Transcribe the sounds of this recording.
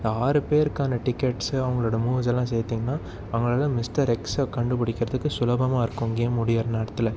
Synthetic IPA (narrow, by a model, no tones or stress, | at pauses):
nd̪ɐaːɾɯpeːɾkaːnɐʈɪkːɛʈsɐʋɐŋɡɐɭoːɽɐmuːʋzɛlːãːsɛjt̪ːiːŋɡɐnːaː | ɐŋɡɐɭɐlãːmɪsʈɐɾɛkskɐɳɖɯpɪɽɪkːɪɾɐðɯkːɯsʊlɐbɐmaːɪɾɯkːɯŋɡeːmʊɽɪjɐɾɐnɐɽɐt̪ːɪlɐ